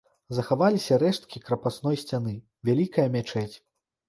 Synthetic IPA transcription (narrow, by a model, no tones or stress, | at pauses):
zɐxavalʲisʲɐɾɛʂt̪kʲikɾɐpasn̪ɔjsʲt͡sʲanɨ | vʲalʲikɐjɐmʲat͡ʂɛt͡sʲ